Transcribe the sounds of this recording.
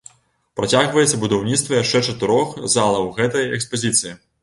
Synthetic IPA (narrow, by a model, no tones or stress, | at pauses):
pɾat͡sʲaɣvɐjɛt̪sɐbud̪awnʲit̪st̪vɐjaʂt͡ʂɛt͡ʂɐt̪ɨɾɔxzalˠɐwɣɛt̪ɐjɛkspɐzʲit̪sɨji